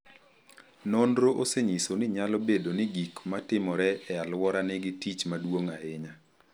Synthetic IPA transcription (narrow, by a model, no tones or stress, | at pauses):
nɔndɾoʔoseɲisonɪɲalɔbedonɪɡikmatɪmɔɾɛɛalwɔɾanɪɡɪtit͡ʃmadwoŋaɪɲa